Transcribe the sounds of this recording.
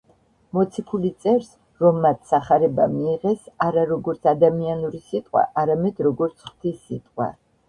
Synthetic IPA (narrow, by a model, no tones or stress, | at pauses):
mɔt̪sʰikʰulit̪sʼɛɾs | ɾɔmːat̪ʰsaχaɾɛbamiːʁɛsaɾaɾɔɡɔɾt̪sʰad̪amianuɾisit̪ʼqʼwa̰ʔaɾamɛd̪ɾɔɡɔɾt̪sʰχw̥t̪ʰisːit̪ʼqʼwa̰